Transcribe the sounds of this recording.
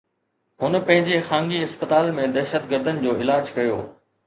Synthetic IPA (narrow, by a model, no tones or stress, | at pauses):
ɦʊn̆pɐ̃ɦɪ̃ɲd͡ʑexãːŋɡiɪspət̪aːlmẽd̪ɛːʃət̪ɡəɾd̪ʱənɪ̆d͡ʑoːɪlaːd͡ʑkɐjo̰ː